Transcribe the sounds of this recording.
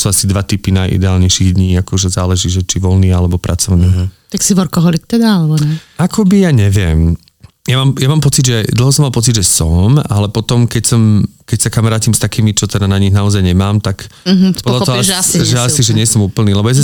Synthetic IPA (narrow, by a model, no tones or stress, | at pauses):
suːasid̪ʋat̪ipinajʔḭd̪ɛaːlɲɛjʃiɣd̪ɲiːakɔʒɛzaːlɛʒiːʒɛt͡ʃiʋɔlniːalɛbɔpɾʔa̰t͡sɔʊniːt̪aksiʋɔɾkɔɦɔlikt̪ɛd̪aalɛbɔɲɛʔakʰɔbijaːɲɛʋɪɛm | jamaːmjamaːmpɔt͡sid̪ʒɛd̪l̩ˠɦɔs̬ɔmːalˠpɔt͡sid̪ʒɛsɔmalɛpɔt̪ɔmkɛcsɔmkɛcsakamaɾaːciːmst̪akiːmit͡ʃɔt̪ɛd̪anaɲiɣnaɔzajɲɛmaːmt̪akpɔd̪latɔɦɔʒɛasiʒɛɲɪɛsɔmuːpl̩niːlɛbɔjas̬